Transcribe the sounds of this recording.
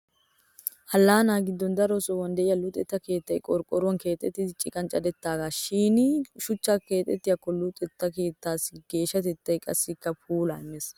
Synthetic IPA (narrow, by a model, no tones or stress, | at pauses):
hɐlːaːnaːɡɪd̪ːɔnd̪ɐɾɔsɔwɐnd̪ɛʔɪjɐlʊt̪ʼɛt̪ːɐke̞ːt̪ːɐjkʼɔɾkʼːɔɾʊwɐnke̞ːt̪ʼːɛt̪ːɪd̪ɪt͡ʃʼːɪkʼɐnt͡ʃʼɐd̪ɛt̪ːaːɡaːʃiːnʃʊt͡ʃːakeːt̪ʼːɛt̪ːɪjɐkɔlːʊt̪ʼɛt̪ːɐke̞ːt̪ːaːsɡ̥e̞ːʃːɐt̪ɛt̪ːɐjkʼɐsːɪkːɐpʰuːla̰ɪmːes